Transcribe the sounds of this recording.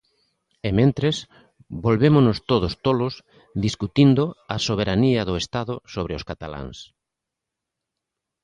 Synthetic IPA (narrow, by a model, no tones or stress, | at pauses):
emẽnt̪ɾes | bolβemʊnʊst̪oðost̪olʊs | d̪iskut̪ind̪ʊasoβ̞eɾaniɐðʊest̪aðʊsoβɾeʊskat̪ala̰ŋs